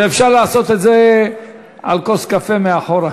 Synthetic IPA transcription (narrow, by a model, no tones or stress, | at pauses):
efʃaʁlaːso̞t̪et̪ze | a̰lkoskafemeaχoɾa